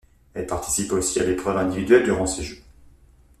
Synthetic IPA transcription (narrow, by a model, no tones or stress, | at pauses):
ɛlpaʁt̪ʰi̥siposialepχœvɛ̃d̪ivid̪ɥɛld̪yʁɑ̃seʒuːʁ